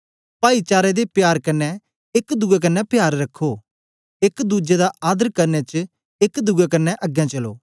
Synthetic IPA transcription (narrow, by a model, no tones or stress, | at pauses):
paːit͡ʃaːɾɛd̪epjaːɾkɐnːɛ | ɪkd̪ʊɡɛk̬ənːɛpjaːɾːɐkʰːoː | ɪkd̪uːd͡ʒed̪aʔaːd̪əɾkɐɾnɛt͡ʃ | ɪkd̪ʊɡɛkənːɛʔəɡjãːt͡ʃɐlo̰ː